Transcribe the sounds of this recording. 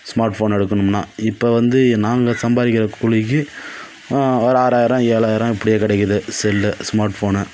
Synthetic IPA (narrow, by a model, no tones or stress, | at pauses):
smaːɾʈfoːnɛɽɯkːɐnɯmnã̰ːɪpːoʋɐnd̪ɯnaːŋɡɐsɐmbaːɾɪkːɪɾɐkʊɻɪkːɯ | ɔɾɯaːɾaːjɪɾɐ̃ːeːɭaːjɪɾɐ̃ɪpːɐɽɪjeːkɪɽɛkːɐðɯsɛlːɯsmaːɾʈfoːnɯ